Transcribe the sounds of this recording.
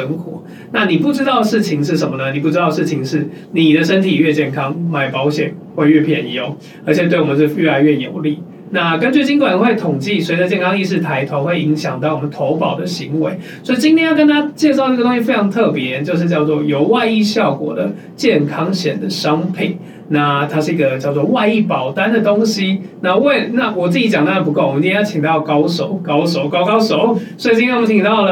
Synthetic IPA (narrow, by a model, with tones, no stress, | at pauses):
ə˧˥ŋxwɔ̰˨˩˦ | na˥˩ni˨˩pu˥˩ʈ͡ʂɻ̩˥t̪ɑ˥˧ʊʂɻ̩˥˩t͡ɕʰi˧˥ŋʂɻ̩˥˩ʂə˨˩mə˦nə˩˨ni˨˩pu˥˩ɻ̩˥t̪ɑ˥˧ʊʂɻ̩˥˩t͡ɕʰi˧˥ŋʂɻ̩˥˩ | ni˨˩d̪ə˦ʂə˥nt̪ʰi˨˩ɥɛ˥˧t͡ɕjɛ˥˩nkʰɑ˦ŋma˨˩ɪpɑ˧˥ʊɕjɛ˨˩nxwe˥˧ɪɥɛ˥˩pʰjɛ˨˩njo˧˦ʊ | ə˞˧˥t͡ɕʰjɛ˨˩t̪we˥˩ɪwɔ˨mə̃˧˦t͡ɕo˥˧˩ɥɛ˥˩la˧˥ɪɥɛ˥˩jo˨˩ʊli˥˩ | na˥˩kə˦nt͡ɕy˥˩t͡ɕi˥ŋkwa˨˩nxwe˥˩ɪt̪ʰʊ˨˩ŋt͡ɕi˥˩swd̪ə˧t͡ɕjɛ˥˨nkʰɑ˥ŋi˥˧ʂ̬ɻ̩˥˩t̪ʰa˧˥ɪt̪ʰwa˧˥nxwe˥˩ɪi˧˦˥ŋɕjɑ̰˨˩ŋt̪ɑ˥˩ʊwɔ˨˩mə˦nt̪ʰo˧˥ʊpɑ˨˩ʊd̪ə˦ɕi˧˥ŋwe˧˥ɪswɔ˧˥i˨t͡ɕi˥nt̪ʰjɛ˥˧jkə˥nt̪ʰa˥t͡ɕjɛ˥˧ʂʊ˧˥ɡə˧t̪o˥ŋ˥ɕi˧fe˥ɪʈ͡ʂʰɑ˧˥ŋt̪ʰɤ˥˩pjɛ˧˦t͡ɕjo˥˧ʊʂ̬̩˥˧t͡ɕjɑ˥˧ʊt͡swɔ˥˩jo˨˩ʊwa˥˧ɪi˥˧ɕjɑ˥˩ʊkwɔ̰˨˩d̪ə̰˦ | t͡ɕjɛ˥˨nkʰɑ˥ŋɕjɛ˨˩nd̪ə˦ʂɑ˦ŋpʰḭ˨˩˦ŋ | na˥˩t̪ʰa˥ʂɻ̩˥˩i˥ɡə˨t͡ɕjɑ˥˧ʊt͡swɔ˥˧wa˥˧ɪi˥˩pɑ˨˩ʊt̪a˦˥nd̪ə˨t̪ʊ˥ŋɕi˥na˥˧we˥˩ɪna˥˨wɔ˨˩t͡sɨ˥˩t͡ɕi˧˥t͡ɕɑ˨˩ŋt̪a˥˩əpu˧˥ko˥˩wɔ˨˩ə˧ĩ˥jt͡ɕʰi˨ŋt̪ɑ˥˨˩ʊkɑ˥ʊʂo˨˩˦ʊkɑ˥ʊʂo˨˩˦ʊkɑ˥ʊkɑ˥ʊʂo˨˩˦ʊswɔ˧˥i˨t͡ɕĩ˥t̪ʰɛ˥˩o˨˧˩t͡ɕʰi˨˩t̪ɑ˥˩ʊlə˩